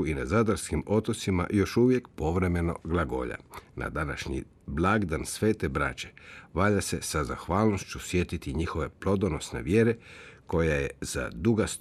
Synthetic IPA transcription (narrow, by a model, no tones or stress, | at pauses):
inazad̪aɾskimo̞t̪ot̪sima̰jo̞ʃuʋje̞kpo̞ʋɾe̞me̞no̞̰ɡlˠaɡo̞̰ʎa̰na̰d̪ana̰ʃɲḭ | blˠaɡd̪ansʋe̞ːt̪e̞bɾa̰t͡ɕe̥ʋaːʎase̞sazaxʋaːlno̞st͡ɕusje̞t̪it̪iɲixo̞ʋe̞plˠo̞d̪ono̞sne̞̰ʋje̞ɾe̞ko̞jajḛz̥a̰d̪uɡast̪